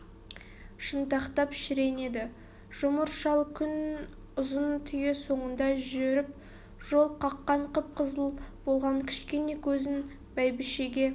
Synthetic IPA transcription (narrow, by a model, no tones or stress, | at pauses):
ʃənt̪ɑqt̪ɑpʃɪɾe̞ne̞d̪ɪ | ʒ̥ʊməɾʃɑlˠkʲʰʏn | ʊzənt̪ʰʏje̞so̞ɴənd̪ɑʒeɾɪp | ʒ̥o̞lˠqʰɑqːɑɴqəp̚qʰəzəlˠb̥olˠʁɑɴkʲʰɪ̥ʃkʲe̞ne̞kʲʰɵzɪn | bæjbɪʃe̞ɡʲe̞